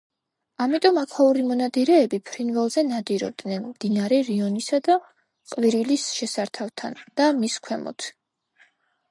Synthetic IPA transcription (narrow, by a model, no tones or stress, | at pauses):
amit̪ʼɔmakʰlauɾimɔnad̪iɾɛːbipʰɾinvɛlˠzɛnad̪iɾɔ̰b̚d̪nɛnmd̪̥inaɾɛɾiɔnisad̪a | qʼviɾilisʃɛsaɾt̪ʰavt̪ʰand̪̥amiskʰwɛmɔ̰t̪ʰ